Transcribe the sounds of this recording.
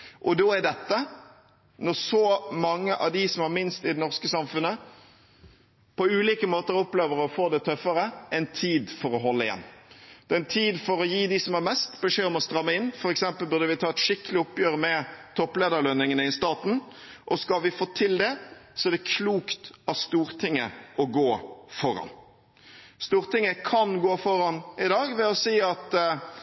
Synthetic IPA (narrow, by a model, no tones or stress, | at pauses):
ʔɔd̪oːæd̪ɛt̪ːə | nɔʁsɔmɑŋːəʔɑ̰ʋd̪ɪsɔmhɑɾmɪnst̪ɪd̪ɛnɔʁskəsɑmfʉnːə | pɔʉːliːkəmoːt̪əɾɔpleːʋəɾɔfoːd̪ɛt̪ʰœfəɾəɛnt̪ʰiːd̪fɔɾɔɦɔlːəɪjɛ̰nːd̪̥ɛnt̪ʰiːd̪fɔɾɔjiːd̪ɪsɔmæɾmɛst̪bəʂeːɔmɔst̪ɾɑmːəɪnːfɔɾɛksɛmpəlbʉʁd̪əʋɪt̪ʰɑːɛt̪ʂɪkːəlɪʊpːjøːɾmɛt̪ʰɔpleːd̪əɾɭœnɪŋənəɪst̪ɑːt̪n̩ʔɔskɑlʋɪfoːt̪ʰɪld̪ɛsɔɛd̪ɛkʰluːkt̪ɑst̪uːɾt̪ʰɪŋːə̰ɔɡoːfɔɾɑ̰n | st̪uːɾt̪ɪŋːəkʰɑnɡoːfɔɾɑnɪd̪ɑːɡʋɛɔsiːɑt̪